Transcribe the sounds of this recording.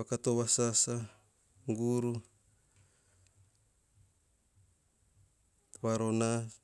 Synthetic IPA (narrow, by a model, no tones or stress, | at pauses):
akat̪owasasa | ŋɡuɾu | βaɾona